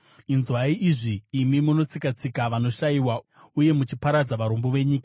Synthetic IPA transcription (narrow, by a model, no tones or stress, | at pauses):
inzwaiʔiʐiːmimuno̞t͡sikat͡sikaʋano̞ʃaiwa | uje̞mut͡ʃipaɾad͡zaʋaɾo̞mbo̞ʋe̞ɲiːka